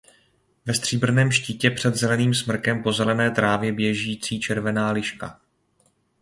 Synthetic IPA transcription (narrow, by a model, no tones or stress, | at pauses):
vɛst̪r̥iːbr̩nɛːmʃcicɛpr̥ɛd̪zɛlɛniːmsmr̩kɛmpo̞zɛlɛnɛːt̪ɾaːvjɛbjɛʒiːt͡siːt͡ʃɛɾvɛnaːlɪʃka̰